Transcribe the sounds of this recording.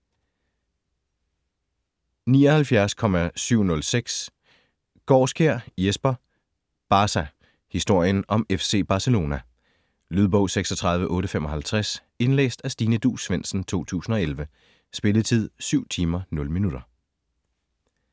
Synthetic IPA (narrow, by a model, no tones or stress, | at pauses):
niːɒ̽hælfjæɐskʰɒ̽mæsyʊ̰nɔ̽lseɡ̥s | ɡ̥ɒːsɡ̥eɐ̰jesb̥ɐ | b̥ɑ̈ːsæ | hisd̥o̝ɐ̰jənʔɒ̽mefse̝̰ːb̥ɑ̈səlo̝ːnæ | lyð̞ˠb̥ɔ̽ʊ̰seɡ̥sɒ̽t͡sʰʁɑ̈ð̞ˠʋəʔɔ̽ːɾəfem̰ɒ̽ɦælt͡sʰʁas | e̝nlḛːsd̥æsd̥iːnəd̥ṵːsʋen̰sn̩t͡sʰo̝̰ːt͡sʰṵːsn̩ɒ̽elʋə | sb̥e̝ləðˠt͡sʰið̞̰ˠsyʊ̰t͡sʰiːmɐnɔ̽lminuɾ̥ɐ